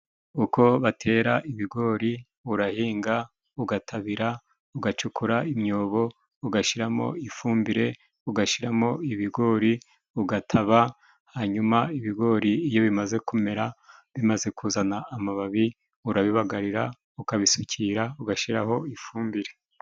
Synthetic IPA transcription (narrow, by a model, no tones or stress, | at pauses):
uko̞βatʰe̞ːɾaʔiβiɡo̞ːɾi | uɾahiːŋɡa | uɡatʰaβiɾa | uɡat͡ʃukuɾaimɲo̞ːβo̞ | uɡaʃiɾamo̞̰ifuːmbiɾe̞ | uɡaʃiɾamo̞iβiɡo̞ːɾi | uɡatʰaβa | haːɲumaiβiɡo̞ːɾiːjo̞βimaze̞kume̞ɾaβimaze̞kʰuːzanaːmaβaβi | uɾaβiβaɡaɾiɾa | ukaβisucʰiɾauɡaʃiɾaɦo̞ifuːmbiɾe̞